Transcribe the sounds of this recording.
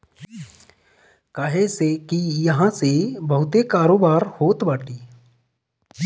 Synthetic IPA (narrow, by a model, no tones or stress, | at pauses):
kaːɦesekijɐɦãsebɐɦʊt̪ekaːɾoːbaːɾhoːt̪baːʈiː